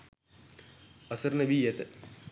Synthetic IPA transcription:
ɐsɐɾnɐbijɐt̪ɐ

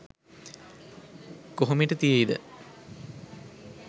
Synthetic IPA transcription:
koɦomiʈət̪ijeid̪ə̰

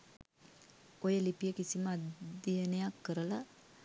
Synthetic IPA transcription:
ojəlipijəkisiməad̪ijənəjakːəɾəla

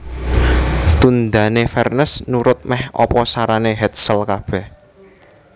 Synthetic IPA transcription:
t̪und̪änefɛrnəsnuɾʊt̪̚mɛhɔ̰pɔsaɾaneɦɛt̪̚səlkab̥ɛ̤h

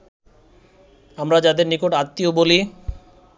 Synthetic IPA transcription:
amɾad͡ʑad̪eɾnikoʈat̪ːioboli

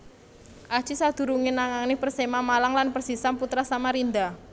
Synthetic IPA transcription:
ʔḁt͡ʃisad̪̥ṳɾuŋɪnaŋaŋnɪpərsemamalaŋlanpərsisamput̪ɾasamaɾind̪a

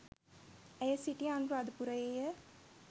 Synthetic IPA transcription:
ɛjəsiʈianɾad̪upuɾɐjejə

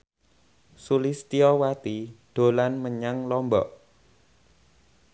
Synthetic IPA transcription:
sulist̪iɔwat̪id̥o̤lanməɲaŋlɔmbɔ̰ʔ

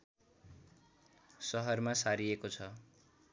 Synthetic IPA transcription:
sʌɦʌrmasaɾiekot͡sʰʌ

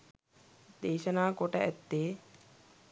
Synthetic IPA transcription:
d̪eːʃənaːkoʈəʔæt̪ːeː

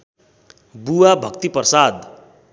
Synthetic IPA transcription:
buwabʱʌkt̪iprʌsad̪

